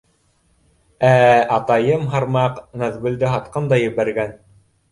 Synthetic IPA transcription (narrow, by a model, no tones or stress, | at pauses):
æɑt̪ɑjɤmɦɑɾmɑqnæðβɘ̆ld̪ɘɦɑt̪qɤmd̪ɑjɘ̆βæɾɡæn